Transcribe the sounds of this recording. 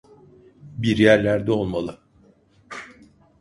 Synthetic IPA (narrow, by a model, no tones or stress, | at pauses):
biɾjæɾlʲæɾd̪ɛolˠmalˠɯ